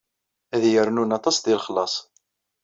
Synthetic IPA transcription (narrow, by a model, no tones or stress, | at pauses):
æðjəɾnunɑt̪ˤɑsd̪ɪlχlɑsˤ